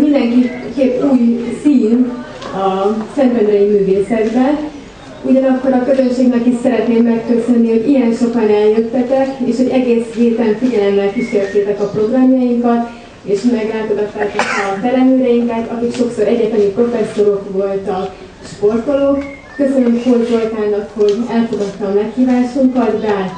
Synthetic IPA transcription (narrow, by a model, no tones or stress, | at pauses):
mind̪ɛŋkikeːpːuːjsiːn | ɒsɛnt̪vɛnɾɛjimyːveːsɛɡbɛn | uɟɒnɒkːo̞ɾɒkø̞zø̞nʃeːɡnɛkiʃsɛɾɛt̪neːmːɛkːøsø̞nːiho̞ɟijɛnʃo̞kɒnɛljøt̪ːɛt̪ɛkeːʃho̞ɟɛɡeːsɦeːt̪ɛɱfiɟɛlɛmːɛlkiʃeːrt̪eːt̪ɛkɒpro̞ɡrɒmjɒjiŋkɒt̪ | eːʃmɛɡraːt̪o̞ɡɒt̪ːaːt̪ɒkɒt̪ɛlɛnøːɾɛjiŋkɛt̪ɒkikʃo̞ksoːɾɛɟɛt̪ɛnipro̞fɛsːo̞ɾo̞kʋo̞lt̪ɒk | ʃpo̞rt̪olokː | ø̞sø̞nykfo̞ɟzo̞lt̪aːnɒkho̞ɟɛlfo̞ɡɒt̪ːɒːmɛkhiːvaːʃuŋkɒt̪baː